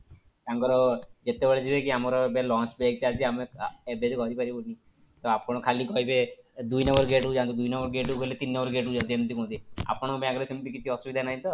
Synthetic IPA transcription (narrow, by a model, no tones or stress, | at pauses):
k̪ãŋkɔɾɔd͡ʒet̪ebeɭed͡ʒibekiamɔɾɔebelɔ̃nt͡ʃbek̚t̪iad͡ʒiameebed͡ʒukɔɾipaɾibɔni | t̪ɔapɔɽ̃ɔkʰalikɔɦibed̪ujnɔmbɔɾɡeʈud͡ʒãnt̪id̪ujnɔmbɔɾɡeʈukɔilet̪inːɔmbɔɾɡeʈud͡ʒãnt̪ient̪ikũt̪ia̰pɔɽ̃ɔbeaɡɔɾesʰimʈikit̪ʰiɔsubid̪ʱanaɦĩt̪ɔ